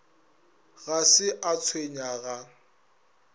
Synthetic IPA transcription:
ɣasɪʔat͡sʰweɲaɣa

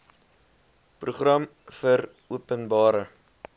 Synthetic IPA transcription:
pruχrɐm | fər | uəpənbɑːɾə

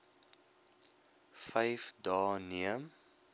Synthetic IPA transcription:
fɛjfdɑːniəm

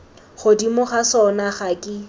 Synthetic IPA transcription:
χodimʊχasɔnaχakʼɪ

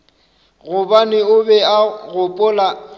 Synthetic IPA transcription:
ɣʊbanɪʊbɛaɣʊpʼʊla

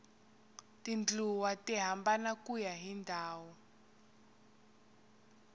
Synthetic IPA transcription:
tind͡ɮuwatiɦambanakujaɦindʱaːwɔ

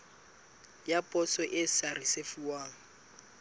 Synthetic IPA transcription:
japʼɔsɔʔɪsarisefuwaːŋ̩

